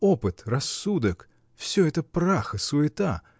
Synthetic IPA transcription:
opɨt̪rɐsːud̪ək | fsʲɵɛt̪əpraxəsʊɪt̪a

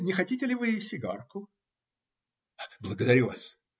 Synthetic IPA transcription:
nʲɪxɐtʲitʲɪlʲɪvɨsʲɪɡa̰rkʊ | blˠəɡəd̪ɐɾʲuva̰s

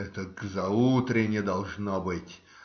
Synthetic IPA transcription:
ɛt̪əɡzɐut̪ɾʲɪnʲɪəd̪ɐlˠʐnobɨtʲ

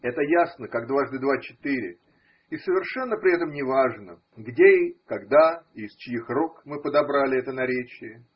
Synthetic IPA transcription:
ɛt̪əjasnəkaɡd̪vaʐd̪ɨd̪vat͡ɕɪ̥t̪iɾʲɪ̰ | isəvʲɪrʂɛnːəpɾʲɪɛt̪əmnʲɪvaʐnə | ɡdʲeɪkɐɡd̪aɪːst͡ɕɪjixrukmɨpəd̪ɐbɾalʲɪɛt̪ənɐɾʲet͡ɕɪjə

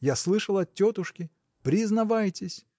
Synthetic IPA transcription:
jaslˠɨʂəlˠɐt̚tʲːot̪ʊʂkʲɪ | pɾʲɪznɐvajtʲɪsʲ

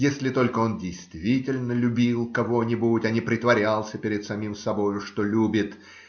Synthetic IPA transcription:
jesʲlʲɪt̪o̞lʲkəo̞ndʲɪjst̪vʲitʲɪlʲnəlʲʊbʲilˠkɐvo̞nʲɪbutʲɐnʲɪpɾʲɪt̪vɐɾʲalˠsʲəpʲɪɾʲɪt̪sɐmʲimsɐbo̞jʊʂt̪o̞lʲubʲɪt̪

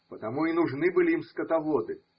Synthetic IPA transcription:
pɐt̪amuinuʐnɨbɨlʲijimskɐt̪avɔd̪ɨ

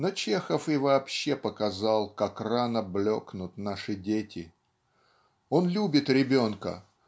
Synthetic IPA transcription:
not͡ɕe̞xəfɨvɐːpɕːe̞pəkɐzɑlˠkakranəblʲoknʊt̪naʂɨdʲetʲɪ | o̞nlʲubʲɪt̪ɾʲɪbʲo̞nkə̰

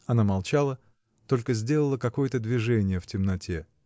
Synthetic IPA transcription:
ɐnamɐlˠt͡ɕalˠə | t̪o̞lʲkəzʲdʲe̞lˠəlˠəkɐko̞jət̪əd̪vʲɪʐɛnʲɪjəftʲɪmnɐtʲe

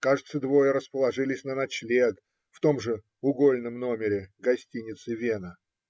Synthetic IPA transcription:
kaʐɨt̪səd̪vo̞jəɾəspəlˠɐʐɨlʲɪsʲnənɐt͡ɕlʲeɡ | ft̪o̞mʐɨ | ʊɡo̞lʲnəmno̞mʲɪɾʲɪɡɐsʲtʲinʲɪt̪sɨvʲenə

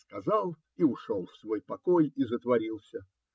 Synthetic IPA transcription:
skɐzɑlˠ | iʊʂolˠfsvojpɐkojizət̪vɐɾʲilˠsʲə

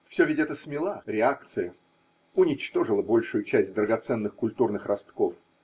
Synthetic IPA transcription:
fsʲɵvʲɪtʲɛt̪əsmʲɪlˠaɾʲɪakt̪sɨjə | ʊnʲɪt͡ɕt̪o̞ʐɨlˠəbo̞lʲʂʊjʊt͡ɕæsʲt̚ʲd̪ɾəɡɐt̪sɛnːɨxkʊlʲt̪urnɨxrɐst̪ko̞f

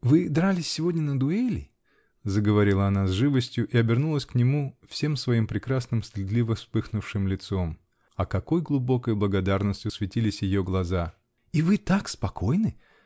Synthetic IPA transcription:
vɨd̪ɾalʲɪsʲːɪvodʲnʲənəd̪ʊelʲɪ̰ | zəɡəvɐɾʲilˠəɐnazʐɨvəsʲtʲjʊʔiɐbʲɪrnulˠəsʲknʲɪmufsʲe̞msvɐimpɾʲɪkɾasnɨmst̪lʲɪd̪lʲivəspɨxnʊfʂɨmlʲɪt̪so̞m | ɐkɐko̞jɡlˠʊbo̞kəjblˠəɡɐd̪arnəsʲtʲjʊsvʲɪtʲilʲɪsʲjɪjoɡlˠɐza | ivɨt̪akspɐko̞jnɨ

